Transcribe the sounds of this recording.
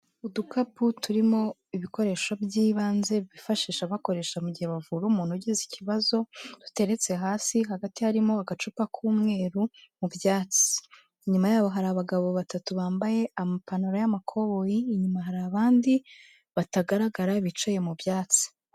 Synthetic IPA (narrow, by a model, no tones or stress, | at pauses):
udukaputuɾimo̞iβiko̞ɾe̞ːʃobjiːβaːnze̞βifaʃiːʃaβako̞ɾe̞ːʃamuɟiheβavuɾuːmuːn̥huɟizicʰiβazo̞d̥u̥te̞ɾe̞t͡se̞ɦaːsiɦaɡatihaɾimoaɡat͡ʃupakʰuːmŋe̞ːɾumubjaːt͡si̥ | iɲumajaːβo̞ɦaɾaːβaɡaβo̞βatatuβaːmbaje̞amapanoɾajamakʰo̞βojiːɲumaɦaɾaβaːndi | βataɡaɾaɡaɾaiβit͡ʃoje̞mubjaːt͡si̥